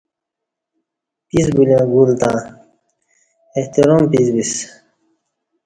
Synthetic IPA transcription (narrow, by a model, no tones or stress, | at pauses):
pisbulãːɡuːlt̪ã | eht̪iɾoːmpisbis